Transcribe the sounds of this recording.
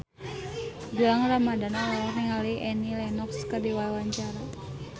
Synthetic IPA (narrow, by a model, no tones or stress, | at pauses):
buaŋramadanalawakniŋaliʔɛnilɛnɔkskərdiwalwaɲt͡ʃaɾa